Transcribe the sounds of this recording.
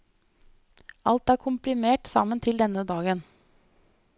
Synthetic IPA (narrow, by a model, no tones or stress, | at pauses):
ʔɑlt̪æːɾkʰʊmpɾɪmeːʈsɑ̰mənt̪ʰɪld̪ɛnəd̪ɑːɡən